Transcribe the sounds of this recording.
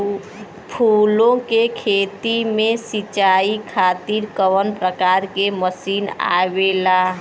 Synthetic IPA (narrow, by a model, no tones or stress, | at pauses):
pʰulõkekʰet̪imẽsit͡ʃaikʰat̪iɾkəʋənpɾəkaɾkeməsina̰bela